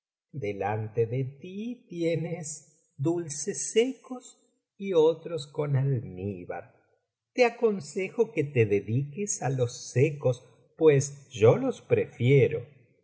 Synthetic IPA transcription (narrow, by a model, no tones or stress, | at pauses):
d̪elant̪eðet̪it̪jenes | d̪ulsesekos | iot̪ɾosko̞nalniβa̰ɾ | t̪eako̞nsexo̞ket̪eðeðikesalo̞sːekos | pwesʒolo̞spɾefjeɾo̰